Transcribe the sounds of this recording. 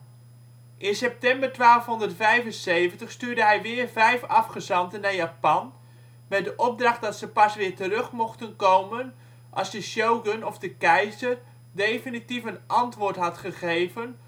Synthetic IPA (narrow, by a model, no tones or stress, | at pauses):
ʔɪnsɛp̚tɛmbərtʋaːlˠəfɦɔndərtfɛjvənsejvəntəχstyːdəɦɛjʋɪːrvɛjfɑfχəzɑntənajapɑn | mɛt̚dəʔɔp̚drɑχ̚dɑtsəpɑsʋɪːɹtərɵχmɔχtənkowmən | ʔɑ̰lˠzdəʃowɡənɔfdəkɛjzər | dejfinitifənʔɑntʋʊːɹtɦɑtχəχejvən